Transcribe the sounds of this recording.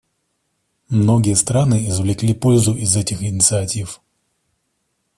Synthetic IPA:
mno̞ɡʲɪjəst̪ɾanɨɪzvlʲɪklʲipo̞lʲzʊʔɪzɛtʲɪxɪnʲɪt̪sɨɐtʲif

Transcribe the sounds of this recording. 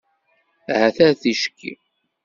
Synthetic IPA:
hæθæɾθiʃə̥kːḭ

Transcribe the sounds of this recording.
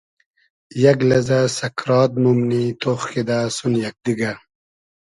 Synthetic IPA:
jɐɡlɐzasɐkʰɾɑːd̪̚numnit̪oχːid̪asunjɐk̚d̪iɡa

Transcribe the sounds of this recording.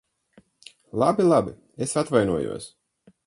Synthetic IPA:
lˠabilˠabi | esat̪vajnuɔjṵɔs

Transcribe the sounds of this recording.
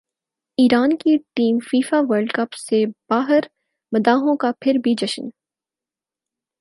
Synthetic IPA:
iːɾaːnkiʈiːmfiːfaʋəɾɖkɐpseb̥aːɦəɾ | mɐd̪aːɦõkapʰɪɾbʱid͡ʒɐʃə̰n

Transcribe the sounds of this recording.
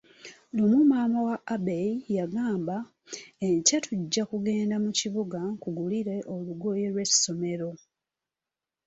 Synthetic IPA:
lumumaːmawaʔabeijaɡaːmba | eɲcatʰuɟːakuɡe̞ːndamuciβuɡakuɡuliɾe̞ʔoluɡo̞je̞lwe̞sːo̞me̞ɾo̞

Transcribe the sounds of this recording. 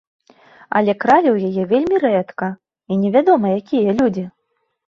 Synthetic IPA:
ɐ̰lʲɛkɾalʲɐwjajɛvʲelʲmʲirɛt̪kɐ | inʲɛvʲad̪ɔmɐjakʲʰijɐlʲud͡zʲi

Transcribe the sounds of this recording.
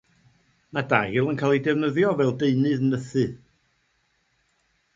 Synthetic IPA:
mada̰jɪlˠənkʰalˠidɛvnəðjɔvɛlˠdeɨnɨðnəθɨ

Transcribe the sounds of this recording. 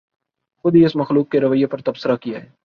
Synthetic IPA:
xʊd̪ʱiɪsmɐxluːk̚ːeɾɐʋəjepɐɾt̪ɐbsəɾakijaɦɛː

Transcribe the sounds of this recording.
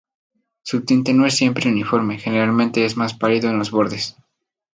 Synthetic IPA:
sut̪int̪e̞no̞e̞sːje̞mpɾeunifo̞ɾme̞xene̞ɾalmẽnt̪e̞ezmaspaliðo̞enlo̞zβo̞ɾðes

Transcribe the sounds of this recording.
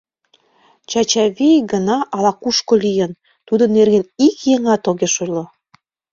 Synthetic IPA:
t͡ɕɑt͡ɕɑβejɡənɑʔɑlɑkuʃkolʲijən | t̪ud̪onːerɣenikjeŋɑt̪oɣeʃojlo

